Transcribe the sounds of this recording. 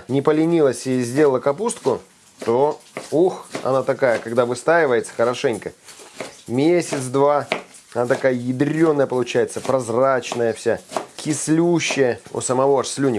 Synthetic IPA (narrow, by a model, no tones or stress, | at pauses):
nʲɪpəlʲɪnʲilˠəsʲɪzʲdʲelˠəlˠəkɐpust̪̚kʊ | t̪ouxɐ̰nat̪ɐkajəkɐɡd̪avɨst̪aɪvəjɪt̪sə̥xəɾɐʂɛnʲkə | mʲesʲɪt̪sd̪va | ɐnat̪ɐkajəjɪd̪ɾʲo̞nːəjəpəlˠʊt͡ɕæjɪt̪səpɾɐzrat͡ɕnəjəfsʲakʲɪslʲuɕːɪjəʊ̰səmɐvo̞ɐʂsʲlʲunʲɪ